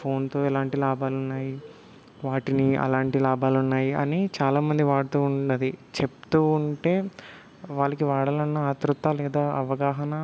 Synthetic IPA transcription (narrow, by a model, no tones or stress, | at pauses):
pʰo̞ːnt̪o̞ːilaːɳʈilaːbaːlunːaːji | ʋaːʈiniɐ̰laːɳʈilaːbaːlunːaːjiɐ̰nit͡ʃaːlaːmɐnd̪iʋaːɽut̪uːuɳɐd̪it͡ʃe̞pt̪uːuɳʈe̞ː | ʋaːlɐkiʋaːɽɐlɐnːɐaːt̪ɾut̪ːaːlɛːd̪aːʔɐʋɐɡaːɦɐnɐ